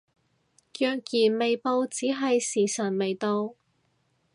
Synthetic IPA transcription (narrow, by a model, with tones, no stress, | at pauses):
jœː˨kjiː˨˩nme˨jpo˧wt͡siː˨˥ɦɐ˨jsiː˨˩sɐ˨˩nme˨jt̪o˧w